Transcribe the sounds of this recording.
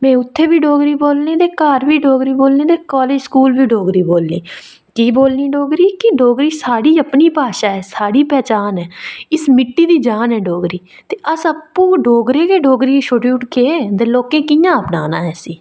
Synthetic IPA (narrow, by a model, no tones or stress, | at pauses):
mɛ̃ːʊt̪ʰːeːbiːɖoːɡɾiːboːlneːd̪eːkaːɾʋiːɖoːɡɾiːboːlneːd̪eːkaːleːd͡ʒskuːlʋiːɖoːɡɾiːboːlneː | kiːboːlniːɖoːɡɾiːkɪɖoːɡɾiːsaːɽiːəpniːpaːʃaːɛːsaːɽiːpɛːt͡ʃaːnɛːɪsmɪʈːiːd̪iːd͡ʒaːnɦɛːɖoːɡɾiː | t̪eːʔəsəpːũːɖoːɡɾeːkeːɖoːɡɾiːʃoɖjuːʈked̪eːloːkẽːkɪjãːəpnaːnaːɦɛːsiː